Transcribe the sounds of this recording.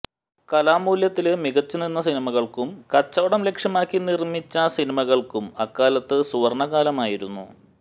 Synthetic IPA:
kɐlaːmuːljɐt̪ːilemiɣɐt͡ɕːuninːɐsinimɐɣɐɭkumkɐt͡ɕːɐːɽɐmle̞kʂjɐmaːkːinirmit͡ɕːɐsinimɐɣɐɭkumɐkːaːlɐt̪ːɨsuɐrɳɐɣaːlɐmaːjiɾunːṵ

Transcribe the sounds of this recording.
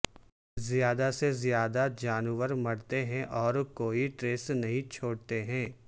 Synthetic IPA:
zijaːd̪asezjaːd̪ad͡ʒaːnuʋəɾmɐɽt̪eɦɛ̃ʔɔːɾkoːiʈɾeːsnɐɦĩt͡ʃʰoːɽt̪eɦɛ̃ː

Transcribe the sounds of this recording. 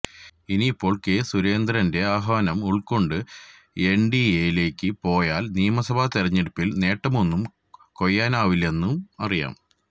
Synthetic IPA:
inipːo̞ːɭkesuɾe̞ːnd̪ɾɐnde̞aːɦɐʋɐnɐmuɭkːo̞ɳɖɨ | eɳɖieːjile̞ːkʲːɨpo̞ːjaːlnijɐmɐsɐbʱaːt̪erɐɲːeɽupːilne̞ːʈːɐmo̞nːum | ko̞jːaːnaːʋile̞nːumɐrija̰ːm

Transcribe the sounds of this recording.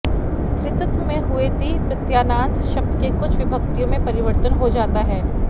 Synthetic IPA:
st̪ɾɪt̪ət̪mẽɦʊet̪ipɾɐt̪jaːnãːnt̪ʃɐp̚t̪kekʊt͡ʃʰʋɪbʱɐkt̪ijõmẽpɐɾɪʋəɾt̪ənɦod͡ʒaːt̪aɦɛː

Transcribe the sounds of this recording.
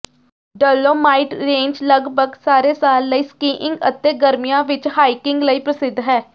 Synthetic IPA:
ɖəːloːmaːɪʈɾẽːɲd͡ʒləɡbʱəɡsaːɾeːsaːlːəiːskiːʔɪ̃ŋɡə̰t̪ːeːɡəɾmijãːʋɪt͡ʃhaːikɪ̃ŋɡləiːpɾəsɪd̪ʱɦɛː

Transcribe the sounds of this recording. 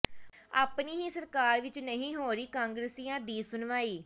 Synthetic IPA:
a̰ːpniːɦiːsəɾkaːɾʋɪt͡ʃnəɦĩːɦoːɾiːkãːŋɡɾəsiːãːd̪iːsʊnʋaːiː

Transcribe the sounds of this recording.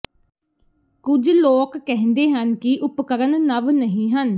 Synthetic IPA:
kʊd͡ʒloːkːɛɦnd̪eːɦənkɪʔʊpkəɾənːəʋnəɦĩːɦən

